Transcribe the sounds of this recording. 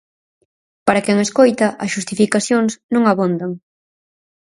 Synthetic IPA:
paɾakɛŋeskojt̪ɐʔɐsʃust̪ifikaθjoŋsnõŋaβund̪aŋ

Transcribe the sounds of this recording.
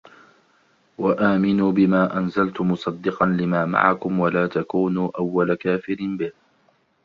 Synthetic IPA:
waʔaːmɪnuːbɪmaːʔanzalt̪ʊmʊsˤɑd̪ːɪqɑnlɪmaːma̰ʕa̰kʊmwalaːt̪akuːnuːʔawːalakaːfɪɾnbɪh

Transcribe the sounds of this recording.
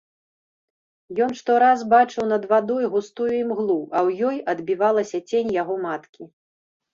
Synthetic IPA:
jɔnʂt̪ɔɾazbat͡ʂɨwnɐd̪vad̪ɔjɣust̪ujuimɣlˠuʔɐwjɔjɐd̪bʲivalˠɐsʲɐt͡sʲenʲjaɣɔmat̪kʲi

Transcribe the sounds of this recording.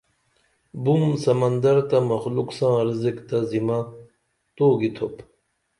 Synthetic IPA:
bumsɐmɐnd̪ɐɾt̪amɐxluksãːɾzikt̪ɐzimã | t̪oːɡit̪ʰop

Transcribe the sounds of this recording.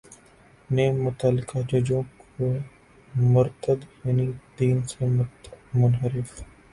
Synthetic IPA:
neːmːʊt̪alɪkad͡ʒɐd͡ʒõːko | mʊɾt̪əd̪jɐnid̪iːnsemʊt̪mʊnɦəɾɪf

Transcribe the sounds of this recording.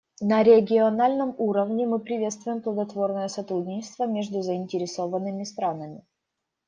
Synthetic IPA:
nəɾʲɪəɡʲɪɐnalʲnəmuɾəvnʲɪmɨpɾʲɪvʲe̞t̪st̪vʊjɪmplˠəɡ̪ɐt̪vo̞rnəjəsɐt̪ɾudʲnʲɪt͡ɕɪst̪vəmʲeʐd̪ʊzəɪnʲtʲɪɾʲɪso̞vənːɨmʲɪst̪ɾanəmʲɪ̰

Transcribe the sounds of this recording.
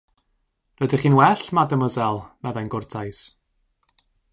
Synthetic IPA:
rɔdiχiːnwɛɬmadəmɔzɛlˠmɛðajnɡʊrtʰajs

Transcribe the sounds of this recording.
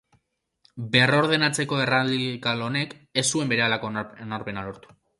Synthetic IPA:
be̞ro̞ɾð̞e̞nat͡se̞ko̞e̞ralikalo̞ne̞k | e̞sue̞mbe̞ɾe̞alakonaɾpe̞nalo̞ɾt̪u̥

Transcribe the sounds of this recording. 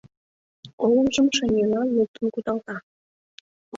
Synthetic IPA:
oləmʒəmʃenʲelɑnluk̚t̪ənkut̪ɑlt̪ɑ

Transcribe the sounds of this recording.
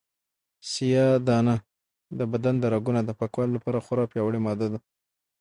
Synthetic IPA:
sijɑd̪ɑna | d̪əbad̪and̪əɾaɡunad̪əpakwɑllapɑɾaxaɾɑpjɑwəɽemɑd̪ad̪a

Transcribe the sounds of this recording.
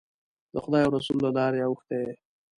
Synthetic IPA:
d̪əxʊd̪ɑjawɾasulːalɑɾeawəxt̪eje

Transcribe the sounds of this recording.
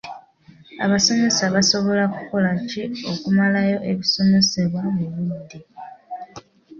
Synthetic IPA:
a̰βaso̞me̞saβaso̞βo̞laku̥ko̞lacio̞kumalajo̞ʔe̞βiso̞me̞seβwameβudi

